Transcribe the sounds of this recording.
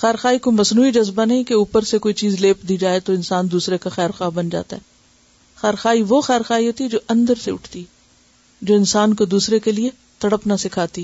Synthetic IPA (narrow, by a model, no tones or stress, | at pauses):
xɛːɾxaːikomɐsnuːid͡ʒɐzbanɐɦĩkeuːpəɾsekoːit͡ʃiːzleːpd̪iːd͡ʒaːet̪oɪnsaːnd̪uːsɾekaxɛːɾxaːbɐnd͡ʒa̰ːt̪a̰ɦɛː | xɛːɾxaːiʋoxɛːɾxaːiɦoːt̪iɛd͡ʒoːʔɐ̃nd̪əɾseʊ̰ʈʰt̪iɛ | d͡ʒoːɪnsaːnkod̪uːsɾekelie | t̪ɐɽəpnasɪkʰaːt̪i